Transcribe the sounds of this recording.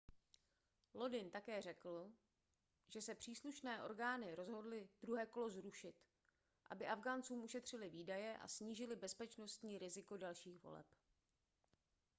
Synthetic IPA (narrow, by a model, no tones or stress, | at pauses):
lo̞dɪnt̪akɛːr̝ɛkl̩ | ʒ̥ɛsɛpr̝̥iːsluʃnɛːʔo̞̰ɾɡaːnɪɾo̞zɦo̞dlɪdɾuɦɛːko̞lo̞zɾuʃɪt̪ | ʔa̰bɪʔavɡaːnt͡suːmuʃɛt̪r̝̥ɪlɪviːdajɛʔa̰sɲiːʒɪlɪbɛspɛt͡ʃno̞st̪ɲiːɾɪzɪko̞dalʃiːxvo̰lɛ̰p